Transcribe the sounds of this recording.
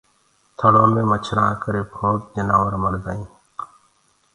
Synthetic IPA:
t̪ʰəɽoːmẽːmət͡ʃʰɾãːkəɾeːpʰoːk̪̚d͡ʒənaːʋəɾməɽd̪aːĩː

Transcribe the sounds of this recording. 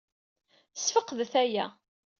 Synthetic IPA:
sfəqːðθæjæ̰

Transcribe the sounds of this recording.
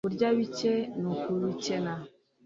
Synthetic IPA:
uɾd͡ʒawit͡ʃɛnukuɾut͡ʃɛna

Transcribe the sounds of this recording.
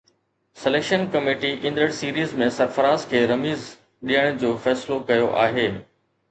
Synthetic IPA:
sɪleːkʃənkɐmeːʈiʔɪ̃nd̪ɾəɽsiːɾiːzmẽsɐɾfɐɾaːzkʰeːɾɐmiːz | ɗijəɽ̃d͡ʑoːfɛːsɪlokɐjoʔa̰ːɦeː

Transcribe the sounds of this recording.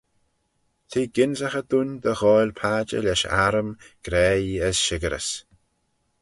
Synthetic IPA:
t̪ʰiːɡɪnzaxəd̪unʲd̪əɣɔːjlʲpʰaːd͡ʒə̰lɛʃa̰ɾəmɡ̥ɾɛːiəsʃɪɡəɾə̰s

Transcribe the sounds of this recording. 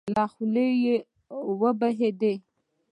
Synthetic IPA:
lɑxuleje | wəbaɦed̪e

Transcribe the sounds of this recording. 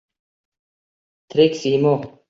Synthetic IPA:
t̪ʰɾiksiːmo

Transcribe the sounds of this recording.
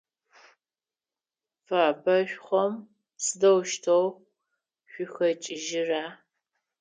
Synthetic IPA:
faːbʰɐɕʷᶣχʷɔm | sɨdɐwʃtʰow | ɕʷʊxɐt͡ʃʼɪʒɪraː

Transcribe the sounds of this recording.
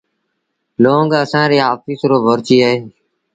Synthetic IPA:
loːŋɡəsãːɾeːɦaːfiːsɾoːbʱoɾt͡ʃiːəɦeː

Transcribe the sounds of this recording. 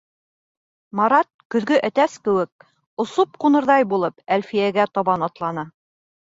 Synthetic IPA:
mɑɾɑt̪̚kɵ̆ðɡɵʔæt̪æskɘ̆wɘk̚ | ŏsop̚qunɤ̆ɾðɑjbulˠɤpælfijæɡæt̪ɒβɑnɑt̪lˠɑnɤ

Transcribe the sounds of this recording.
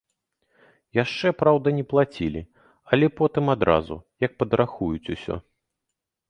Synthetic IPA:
jaʂt͡ʂɛpɾawd̪ɐnʲɛplˠat͡sʲilʲḭ | ɐlʲɛpɔt̪ɨmad̪ɾa̰zṵjɐk̚pɐd̪ɾʔaxujut͡sʲusʲɔ̰

